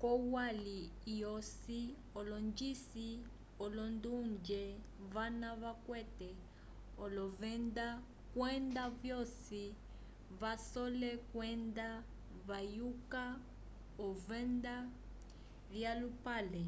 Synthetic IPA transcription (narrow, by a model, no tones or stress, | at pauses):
kɔwalijɔsi | ɔlɔɲd͡ʒisi | ɔlɔndund͡ʒɛ | vanaβakwɛtɛ | ɔlɔvɛnda | kwɛndavjɔsi | vasɔlɛkwɛnda | βajuka | ɔvɛnda | βjalupalɛ